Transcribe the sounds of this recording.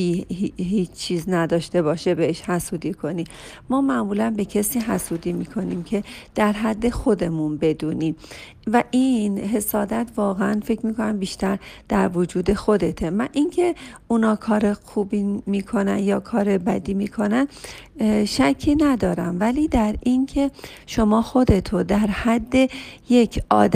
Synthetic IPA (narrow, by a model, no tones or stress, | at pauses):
iihiːt͡ʃt͡ʃʰːiːznæd̪ɒːʃt̪e̞bɒːʃebeeʃhæsuːd̪ikʰo̞niː | mɒːmæʔmuːlænbe̞cʰesiːɦæsuːd̪iːmiːkʰo̞niːmcʰe̞d̪̥æɾɦæd̪ːe̞xo̞d̪e̞munbe̞d̪uːniːm | væʔiːnɦe̞sɒːd̪æt̪ʰvɒːɣeænfe̞cʰmiːko̞næmbiːʃt̪æɾd̪̥æɾvod͡ʒuːd̪e̞xo̞d̪e̞t̪ʰemænʔincʰe̞unɒːkʰɒːɾexuːbiːmiːkʰo̞næ̰njɒːkʰɒːɾebæd̪iːmiːkʰo̞næn | ʃæcʰːiːnæd̪ɒːɾæmvæliːd̪æɾincʰe̞ | ʃo̞mɒːxo̞d̪e̞t̪ʰod̪æɾhæd̪ːe̞je̞cʰʔɒ̰ːd̪